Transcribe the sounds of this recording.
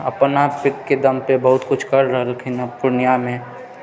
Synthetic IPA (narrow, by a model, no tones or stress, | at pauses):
ɐpnapɪk̪ked̪ɐmpebɐɦʊt̪kʊt͡ʃʰkɐɾːɐɦlɪkʰinapʊɾnɪjamẽ